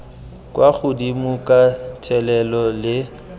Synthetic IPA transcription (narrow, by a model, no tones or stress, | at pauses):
kʼwaɣʊdimʊkʼatʰɛlɛlɔlɪ